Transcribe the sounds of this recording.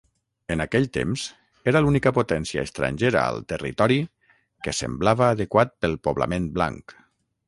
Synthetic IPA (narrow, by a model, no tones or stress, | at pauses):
ənakɛʎt̪ḛmz | eɾəlunikəpot̪ɛnsiə̰əst̪ɾa̰ɲʲʒeɾə̰ə̰lˠt̪ərḭt̪ɔɾi | kəsə̰mblaβəːðəkwat̪̚pəlˠpoβlə̰menbla̰ŋk